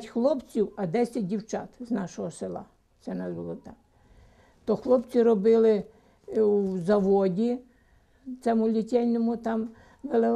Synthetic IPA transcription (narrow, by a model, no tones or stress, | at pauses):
tʲxlˠɔpt͡sʲiwɐd̪ɛsʲɐdʲiwt͡ʃɑt̪znɑʃɔɦɔselˠɑ̰ | sʲɛnɐulɔt̪ɑ | t̪ɔxlˠɔpt͡sʲiɾɔbɪlˠɪ | wzɐʋɔdʲi | tt͡s̪ɛmʊlʲitʲɛnʲnɔmʊt̪ɑm | ʋelˠe